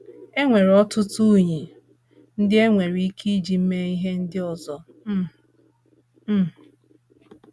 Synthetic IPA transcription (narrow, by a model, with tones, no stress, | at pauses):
e˦ŋʷe˨ɾɔ˦tʊ˦tu˦˨ɲi˨ | n̩˦dɪ˦e˦ŋʷe˨ɾi˨˦i˦kʰi˦d͡ʒi˨m̩˦me˦i˦ɦe˦n̩˦dɪ˦ɔ˨zɔ˨˦˨